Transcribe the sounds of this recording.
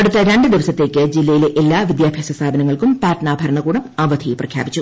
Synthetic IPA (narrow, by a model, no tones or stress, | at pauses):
ɐɽut̪ːɐɾeɳɖɨd̪iʋɐsɐt̪ːe̞ːkʲːɨd͡ʑilːɐjileʔelːaːʋid̪jaːbʱjɐsɐst̪ʰaːbɐnɐŋːɐɭkumpaːʈnaːbʱɐɾɐɳɐkuːɽɐmaːʋɐd̪ʰʱiprɐkʰja̰ːbit͡ɕːu